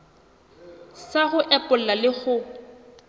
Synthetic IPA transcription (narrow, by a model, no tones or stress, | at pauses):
saɣʊʔɛpʼʊl̩lalɪɣʊ